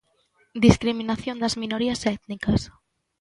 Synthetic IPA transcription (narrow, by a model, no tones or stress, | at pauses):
d̪iskɾiminaθjond̪ɐzminoɾiɐsɛt̪nikɐs